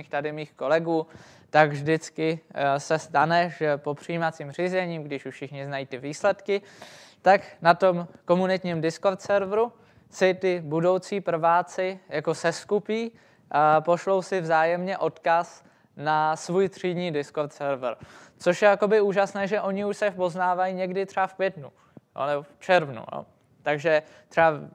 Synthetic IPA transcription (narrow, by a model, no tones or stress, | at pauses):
iːxt̪adɪmiːxko̞lɛɡuː | t̪aɡvʒdɪt͡skɪsɛst̪anɛʒɛpo̞pr̝̥ɪiːmat͡siːmr̝izɛɲiːmɡdɪʃufʃɪxɲɪznajiːt̪ɪviːslɛt̪kɪt̪aknat̪o̞mko̞munɪt̪ɲiːmdɪsko̞ɾt̪sɛɾvɾu | sɪt̪ɪbudo̞wt͡siːpr̩vaːt͡sɪjako̞sɛskupiː | po̞ʃlo̞wsɪvzaːjɛmɲɛʔo̞t̪kas | nasvuːjt̪r̝̥idɲiːdɪskoɾt̪sɛɾvɾt͡soʃjɛjako̞bɪuːʒasnɛːʒɛʔo̞ɲɪuʃsɛpo̞znaːvajiɲɛɡdɪt̪r̥ɛafkvjɛt̪nu | o̰nɛboft͡ʃɛɾvnṵjo̰ | t̪aɡʒɛ | t̪r̥ɛa